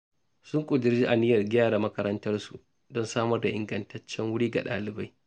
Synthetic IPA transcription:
sʊ˦ŋkʷʼʊ˨dɪ˨rd͡ʒiː˦ʔa˨nɪ˦jɐ˨rɡʲaː˦ɾaː˨mɐ˦kɐ˦ɾɐ˦ntɐ˦rsu˨ | dɔ˦nsaː˦mɐ˦rda˨ʔɪ˨ŋɡɐ˨ntɐ˦t͡ʃːɛ˦ŋwʊ˦ɽiː˦ɡa̰˨ɗa̰ː˨lɪ˨ba˦j

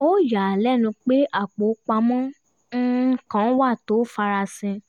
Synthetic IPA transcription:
o˦ja˨lɛ˦˨nũ˧k͡pe˦ʔa˦˨k͡po˨˦k͡pa˧mɔ̃˦ | n̩˦kã˨˦wa˦˨to˨˦fa˧ɾa˧sɛ̃˧

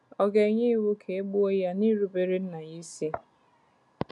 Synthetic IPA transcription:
ɔ˦ɡe˨˦ɲi˦wu˦kʰe˨e˦ɡ͡bu˦o˦ja˦ni˦ɾu˦be˨ɾi˦n̩˦na˨ji˦si˦

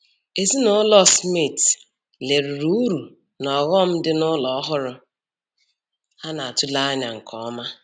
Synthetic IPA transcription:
e˨zi˦nʊ˦lɔ˦smi˦˨t | le˨ɾu˨ɾu˦ɾu˨ | nɔ˨ɣɔ˦m̩˦dɪ˦nʊ˦lɔ˨˦ɦʊ˦ɾʊ˦ | a˦na˨a˨tʊ˦la˦ɲa˨ŋ̩˨kʰɔ˦ma˦

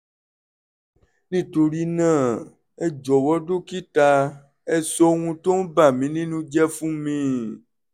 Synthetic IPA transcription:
nĩ˨t̪o˨ɾi˦nã˦˨ | e˦d͡ʒɔ˨wɔ˦ɖo˦ki˦t̪a˦ | e˦sɔ˦ŋũ˦t̪õ˦ba˨mĩ˨˦nĩ˦nũ˦d͡ʒɛ˦fũ˦mĩ˨

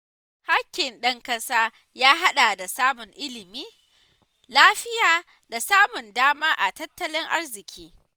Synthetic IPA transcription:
ha˦kʲːɪ˨nɗɐ˦ŋkɐ˦saː˦ | jaː˦ɦa˦ɗa˨da˨saː˦mʊ˨ŋʔɪ˦lɪ˨miː˦ | laː˦ɸɪ˦jaː˨ | da˨saː˦mʊ˨ndaː˦maː˦ʔa˨tɐ˦tːɐ˦lɪ˦ŋʔa̰˦rzɪ˨kʲʰiː˦

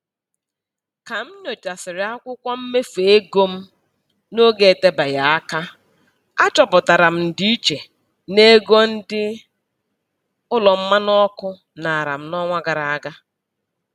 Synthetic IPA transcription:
ka˨m̩˦no˨t͡ʃa˨sɪ˨ɾɪ˨˦a˦kʷʊ˦kʷɔ˦m̩˦me˦fe˨e˦ɡo˦m̩˦ | no˦ɡe˨e˨te˦ba˨ja˨a˦ka˦ | a˦t͡ʃɔ˨pʊ˨ta˨ɾa˨m̩˦n̩˨di˦i˦t͡ʃe˨ | ne˦ɡo˦n̩˦dɪ˦ | ʊ˦lɔ˨m̩˦ma˦nɔ˦kʊ˦ | na˨a˨ɾa̰˨m̩˦nɔ˦ŋʷa˦ɡa˨ɾa˨a˦ɡa˦

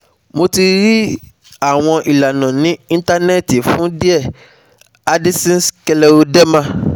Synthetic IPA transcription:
mo˧ti˧ɾi˦ | a˦˨w̃ɔ̃˧ʔi˨la˨nã˨nĩ˨˦ĩ˦n˦ta˧nɛ˦˨ti˨fũ˨˦di˦ɛ˦˨ | a˦di˦sĩ˦skɛ˧lɛ˧o˧dɛ˦mã˦

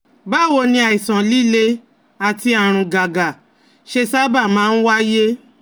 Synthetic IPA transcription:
ba˦˨wo˧nĩ˧a˨i˨sã˨li˦˨le˧ | a˨ti˧a˨ɾ̃ũ˨˧ɡa˨ɡa˨ | ʃe˧sa˦ba˦˨mãː˦n̩˦wa˦je˦

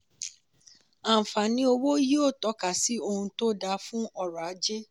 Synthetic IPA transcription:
a˨fa˨nĩ˧˦o˧wo˦ji˦o˦˨tɔ˨˦ka˨si˨˦o˧hũ˧to˦da˧fũ˦ɔ˦ɾa˨a˨˦d͡ʒe˦

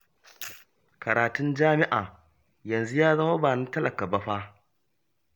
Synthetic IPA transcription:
kɐ˨ɾaː˨tʊ˦nd͡ʒaː˦mɪ˦ʔaː˨ | jɐ˨nzu˦jaː˦zɐ˦ŋwɐ˦baː˨nɪ˦ntɐ˦lɐ˨ka˨bɐ˦ɸaː˦

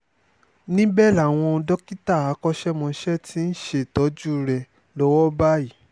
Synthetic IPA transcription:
nĩ˦bɛ˦˨la˨w̃ɔ̃˧dɔ˦ki˦ta˦˨a˨˦kɔ˦ʃɛ˦mɔ̃˧ʃɛ˦ti˦n̩˦ʃe˦˨tɔ˨˦d͡ʒu˦ɾɛ˨ | lɔ˦wɔ˦ba˦i˨˦

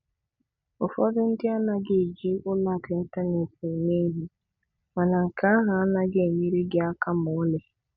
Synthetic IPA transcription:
ʊ˨fɔ˦dʊ˦n̩˦dɪ˦a˦na˨ɡe˨d͡ʒi˦ʔʊ˦la˦˨ɡe˨˦ta˦ne˨fu˨ne˦ɦi˦ | ma˨na˨ŋ̩˨ka˦a˦ɦa˨a˦na˨ɡe˦˨mi˦ɾi˦ɡɪ˦a˦ka˦mʊ˨ɔ˦le˨

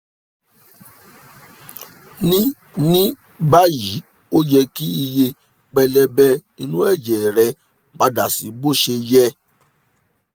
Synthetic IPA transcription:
nĩ˦ | nĩ˦ | ba˦ji˨˦ | o˦d͡ʒɛ˧ki˦i˧je˧ | k͡pɛ˧lɛ˧bɛ˦i˧nũ˦ɛ˦˨d͡ʒɛ˨ɾɛ˧˦ | ba˧da˨si˨˦bo˦ʃe˧jɛ˦

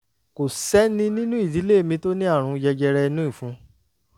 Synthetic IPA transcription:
ko˨sɛ˦nĩ˦nĩ˦nũ˦i˦˨di˨˦le˦˨mĩ˧to˦nĩ˦a˦˨ɾ̃ũ˧jɛ˧d͡ʒɛ˧ɾɛ˧nũ˦ĩ˦˨fũ˨˦

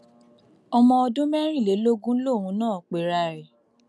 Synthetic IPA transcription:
ɔ˧mɔ̃˧ɔ˧dũ˦mɛ˦ɾ̃ĩ˦˨le˨˦lo˦ɡũ˦lo˦˨wũ˨˦nãː˦˨k͡pe˨ɾa˧˨ɾe˨

